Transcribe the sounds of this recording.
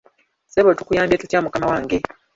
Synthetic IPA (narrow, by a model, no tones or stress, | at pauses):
seβotukujaːmbjetutjaːmukamawaːŋɡe̞